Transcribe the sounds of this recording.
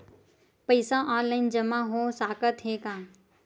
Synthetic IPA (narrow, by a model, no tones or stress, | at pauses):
pəɪsãʔãːlaɪnd͡ʒəmãːɦõːsaːkət̪ɦeːkãː